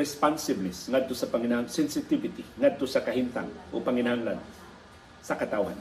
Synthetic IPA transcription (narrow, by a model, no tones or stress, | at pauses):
ɪspansɪbnɪsŋad̪̚t̪osɐpaŋɪnahaŋsɛnsɪt̪ɪbɪt̪iŋad̪̚t̪osakahint̪a̰ŋʔo̰paŋɪnahaŋlan | sɐkat̪awha̰n